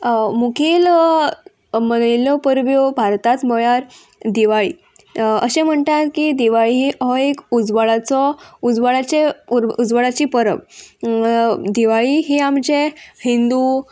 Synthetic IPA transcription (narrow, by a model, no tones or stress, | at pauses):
mukʰiːl | mənəlɔpəɾʋjobʱaɾt̪at͡smɔjaɾ | d̪iʋaɭḭː | ə̰ɕẽm̤əɳʈ̪at̪kid̪iʋaɭiɦiʔɔekud͡zʋəɭat͡sɔud͡zʋəɭat͡ɕeuɾud͡zʋəɭat͡ɕiːpəɾə̰ʋ | d̪iʋaɭiɦiamd͡ʑehind̪u